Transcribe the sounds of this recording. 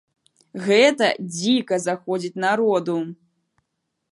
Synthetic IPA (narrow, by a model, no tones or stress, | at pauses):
ɣɛt̪ɐd͡zʲikɐzaxɔd͡zʲit͡sʲnaɾɔd̪u